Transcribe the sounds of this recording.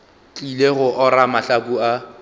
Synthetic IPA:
t͡ɬʼileɣʊʔɔɾamaɬakua

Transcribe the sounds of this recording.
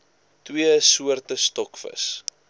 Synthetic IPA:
twiəsuərtəstɔkfə̰s

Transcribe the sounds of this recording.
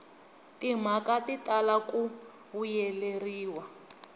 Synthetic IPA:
tim̤akatitalaku | βujɛleriːwa

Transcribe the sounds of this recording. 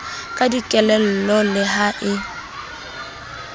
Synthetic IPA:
kʼadikʼɛlɛl̩lɔlɪɦaʔɪ

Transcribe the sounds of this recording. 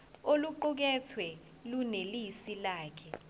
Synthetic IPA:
oluǃuk̬ɛt͡sʰwɛ | lunelisilaːkʰɛ

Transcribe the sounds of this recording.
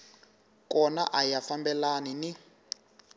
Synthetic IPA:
kɔna̰ʔajafambɛlanini

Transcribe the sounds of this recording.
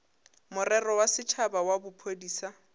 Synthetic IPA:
mʊrɛrɔwasɪt͡ʃʰabawabʊpʰodiːsa

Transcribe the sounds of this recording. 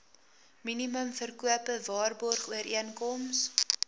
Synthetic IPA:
miniməmfərkuəpəvɑːrbɔrχuəɾiənkɔms

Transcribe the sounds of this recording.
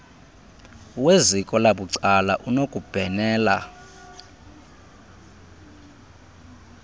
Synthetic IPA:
wezikʼɔlaɓuǀalaʔunokʼub̥ʱɛnɛːla̰

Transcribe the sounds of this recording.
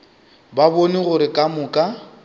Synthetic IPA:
baboniɣʊɾɪkʼamʊːkʼa

